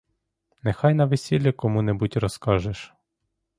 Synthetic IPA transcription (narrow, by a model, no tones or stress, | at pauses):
nexɑjnɐʋesʲilʲːɐkɔmunɛbutʲɾɔskɑʒeʃ